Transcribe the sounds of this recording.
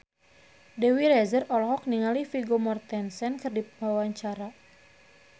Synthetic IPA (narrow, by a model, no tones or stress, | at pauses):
dɛwiɾɛzərɔlɔɦɔk̚niŋalifiɡomɔrt̪ɛnsɛnkɨrdipmawaɲt͡ʃaɾa